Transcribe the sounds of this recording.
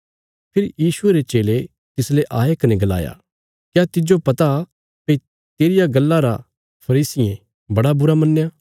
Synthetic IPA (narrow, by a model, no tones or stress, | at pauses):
pʰɪɾjiːsʊeɾet͡ʃeːle | t̪ɪsleʔaːjekɐnɛ̃ɡɐla̰ːja̰ | kjat̪ɪd͡ʒopɐt̪a | peːi | t̪eːɾɪjaɡɐlːaɾa̰ | pʰɐɾiːsɪjẽ | bɐɽabʊɾamɐnːjaː